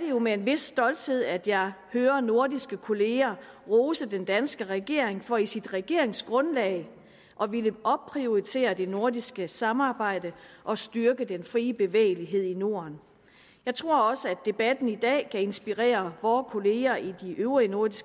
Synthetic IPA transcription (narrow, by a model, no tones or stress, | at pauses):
ɐd̥e̝jo̝mee̝nʋe̝sd̥ɒ̽ld̥he̝ð̞̰ˠæd̥jɑ̈ɪhøːɐno̝ɐdisɡ̥əkʰo̝le̝ːɐ | ʁɔːsəd̥end̥ænsɡ̥əʁɛɡ̥e̝̰ɐ̰e̝ŋfɒ̽isid̥ʁɛɡ̥e̝ɐ̰e̝ŋsɡ̥ʁɔ̽nlɛ̰ɪ | ʔɒ̽ʋiləʔɒ̽b̚pʰʁio̝ʁit͡sʰe̝̰ːɐd̥e̝no̝ɐdisɡ̥əsɑ̈mɑ̈ːb̥ɑ̈ɪ̰d̥əʔɒ̽sd̥yɐɡ̥ədenfʁiːb̥e̝ʋḛːɪliɦe̝ð̞̰ˠino̝ɐn | jɑ̈ɪt͡sʰʁo̝ɐ̰ɒ̽səæd̥e̝b̥æd̥n̩id̥ɛ̰ːkʰæe̝nsb̥iʁḛːɐʋɒːkʰo̝le̝ːɐʔid̥iʔøʊʁino̝ɐd̥isɡ̥